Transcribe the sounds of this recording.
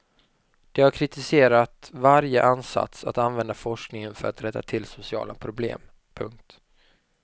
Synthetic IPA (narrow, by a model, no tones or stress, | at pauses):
d̪̥ɛhaɾkʰɾɪt̪ɪseːɾat̪vaɾjəʔansa̰t̪sat̪anvɛnd̪afɔʂknɪŋənfœɾat̪ɾɛt̪ːa̰t̪ʰɪlsʊsɪɑ̰ːlapʰɾʊblḛːm | pʰɵŋk̚t̪